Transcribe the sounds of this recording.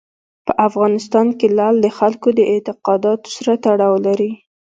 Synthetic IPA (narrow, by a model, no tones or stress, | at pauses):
pəʔafɣɑnɪst̪ɑnkelɑld̪əxalkod̪əʔɪt̪ɪqɑd̪ɑt̪o̥saɾat̪aɽɑwlaɾi